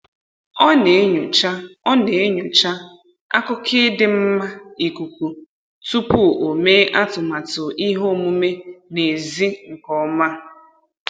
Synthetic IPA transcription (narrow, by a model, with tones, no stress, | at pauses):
ɔ˦ne˨˦ɲu˨t͡ʃa˦ɔ˦ne˨˦ɲʊ˨t͡ʃa˦ | a̰˦kʊ˦kʰɪ˦dɪ˨m̩˦ma˦i˨ku˨kʷu˨ | tu˦pu˦˨ʔo˨me˦ʔa˦tʊ˨ma˨tʊ˨ʔi˦ɦo˦˨mu˦me˦ne˨zi˦ŋ̩˨kɔ˦ma˦